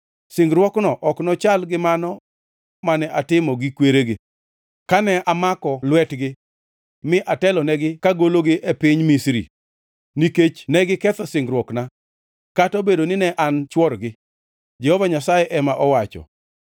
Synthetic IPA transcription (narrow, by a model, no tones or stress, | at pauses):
sɪŋɡɾwɔknɔʔɔknɔt͡ʃalɡɪmanɔ | manɛʔatɪmɔɡɪkweɾeɡɪ | kanɛamakɔlwɛtɡɪ | mɪʔatɛlɔnɛɡɪkaɡoloɡɪʔɛpɪɲmisɾḭ | niket͡ʃnɛɡɪkɛt̪ɔsɪŋɡɾwɔkna | katobedonɪnɛʔant͡ʃwɔɾɡɪ | d͡ʒɛhɔvaɲasajɛʔɛmaʔɔwat͡ʃɔ̰